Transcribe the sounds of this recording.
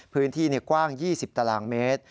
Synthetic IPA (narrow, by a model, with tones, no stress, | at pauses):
pʰɯː˦˥nt̪ʰiː˥˩nɛ˧˩kwaː˥˩ŋjiː˥˩si˨˩p̚t̪a˧laː˦˩nmeː˦˥t̪̚